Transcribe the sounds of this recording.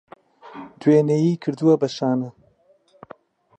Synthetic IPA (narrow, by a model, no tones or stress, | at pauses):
d̪weːnejiːkʰɨɾd̪uwɐbɐʃaːnɐ